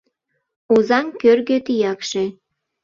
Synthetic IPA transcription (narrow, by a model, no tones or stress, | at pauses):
uzɑŋkørɣøt̪ijɑkʃe